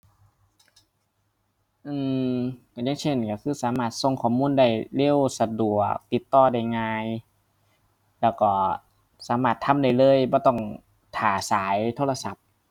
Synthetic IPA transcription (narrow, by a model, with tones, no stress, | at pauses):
ʔɯː˧˩ka˧˩jaː˧˥˨ŋt͡ɕʰe˧˩nka˧˩kʰɯː˧˩˨saː˨˦maː˧˩t̪̚so˧ŋkʰɔː˧˩muː˧˥˨nda˧˩jle˧˥˨wsa˧du˨˩ək̚t̪i˨˩t̪ːɔː˧˩da˧˥˩jŋaː˧j | lɛː˧˩wkɔː˧˩ | saː˨˦maː˧˩t̪ʰːa˧˥mda˧˩jlɤː˧˥˨jbɔː˧˦t̪ɔ˧˩ŋ | t̪ʰaː˨˩saː˨˦jt̪ʰoː˧la˧sa˨˦p̚